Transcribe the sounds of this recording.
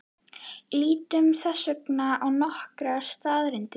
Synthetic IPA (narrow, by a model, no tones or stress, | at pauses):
liːt̪ʏmθasœknaawnɔhkɾḁst̪aːðɾɪnt̪ɪ